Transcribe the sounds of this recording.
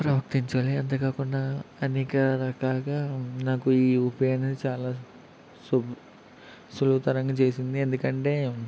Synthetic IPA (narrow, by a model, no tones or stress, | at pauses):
pɾɐʋɐk̚t̪iɲt͡ʃaːliɐnt̪̬ɐkaːkunːaɐneːkɐɾɐkaːlɐɡaːnaːkuiːupjeːnsit͡ʃaːlaː | sub | suluːt̪ɐɾɐŋɡɐt͡ʃe̞ːsind̪iend̪ukɐɳʈe̞ː